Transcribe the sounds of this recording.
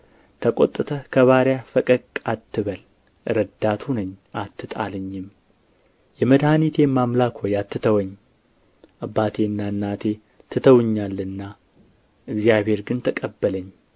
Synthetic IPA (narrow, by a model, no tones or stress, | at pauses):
t̪ʰəkʼo̰t̪ʼːɨt̪ʰəkʰəβaɾjafəkʼəkʼat̪ʰːɨβəl | ʔɨɾəd̪ːat̪ʰunəɲːʔat̪ːɨt̪ʼa̰ləɲːɪm | jɛməd̪hanit̪ʰe̞mamlakʰojat̪ʰːɨt̪ʰəwəɲː | ʔabːat̪ʰe̞ɨnːaɨnːat̪ʰe̞ | t̪ʰɨt̪ʰəwɨɲːalːɨnːa | ʔɨɡzjaβhe̞ɾɡɨnt̪ʰəkʼəbːələɲː